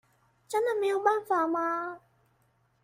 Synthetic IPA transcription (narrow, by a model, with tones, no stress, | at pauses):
t͡ɕa˧˥na˨mi˧wbaː˥˩nfaː˨˩˦maː˧